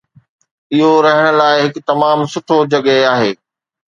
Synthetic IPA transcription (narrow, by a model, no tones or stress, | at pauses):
ɪɦoɾɐɦəɽ̃ə̆laːɪɦɪkt̪ɐmaːmsʊʈʰod͡ʑɐɠəaːɦeː